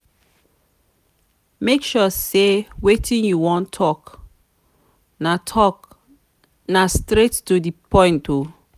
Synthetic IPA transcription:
mekʃusewetʰĩnjuwɔ̃ntʰɔk | natʰɔk | nastɹettudipɔ̃ɪ̃ntu

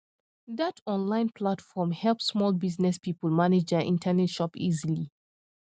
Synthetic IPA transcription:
ðatʰɔ̃nlãɪ̃npʰlatfɔmhɛlˠpsːmɔlˠbiznɛspipəlˠmaned͡ʒdəʔḭ̃ntʰənɛtʃɔpizili

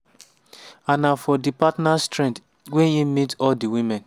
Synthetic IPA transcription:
anafɔdipatnastɹɛ̃nt | wɛnimitɔldiwimɛ̃n

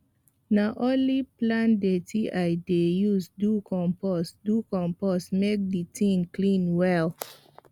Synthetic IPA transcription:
naʔõnliplãndetʰiʔaɪdejusdukʰɔ̃mpɔsdukɔ̃mpɔsmek̚ditʰĩŋklĩnwɛl

